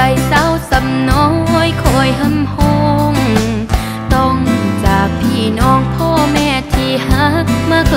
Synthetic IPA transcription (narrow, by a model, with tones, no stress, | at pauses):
a˧˩jsa˧˥˩wsa˨˧˦mno˧˥o˧˥˨jkʰo˧˩jɦa˧˥mho˧ŋ | t̪ɔ˧˩ŋsaː˨˩k̚pʰiː˧˩nɔː˧˩ŋpʰɔː˧˥˩mɛː˧˩t̪ʰiː˧˩ha˧˥k̚maː˧˥˩k